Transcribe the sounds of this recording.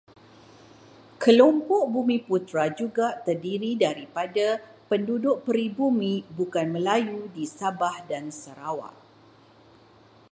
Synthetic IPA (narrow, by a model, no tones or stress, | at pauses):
kəlompɔʔbumĩput̪ɾad͡ʒuɡat̪ərdiɾidaɾipadapəndudʊʔ̚pəɾibumĩbukanmə̃lajudisabahdansəɾawa̰ʔ